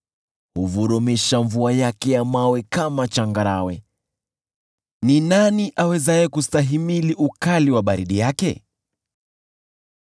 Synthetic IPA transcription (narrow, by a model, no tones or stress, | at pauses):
huvuɾumiʃaɱvuajakɛjamawɛkamat͡ʃaŋɡaɾa̰wɛ | ninaniʔawɛzajɛkustaɦimiliʔukaliwaɓaɾiɗijakɛ̰